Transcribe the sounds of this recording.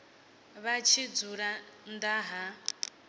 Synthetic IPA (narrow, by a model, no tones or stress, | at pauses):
βat͡ʃʰid͡zuɺand̪aɦa